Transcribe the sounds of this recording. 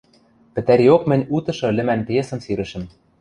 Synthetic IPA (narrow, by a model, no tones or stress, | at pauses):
pɘ̆t̪æɾiokmɘ̆nʲut̪ɤ̆ʃɤ̆lɘ̆mænpesɤ̆nsiɾɘ̆ʃɘ̆m